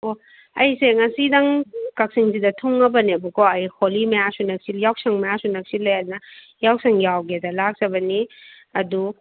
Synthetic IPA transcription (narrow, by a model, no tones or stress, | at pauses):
o | ɐjseŋɐsidɐŋkɐk̚siŋzidɐtʰuŋːɐbɐnebukoɐjholimɐjasunɐk̚siljawsɐŋmɐjasunɐk̚silːɐjat̚nɐ | jawsɐŋjawɡedɐlak̚zɐbɐni | ɐdu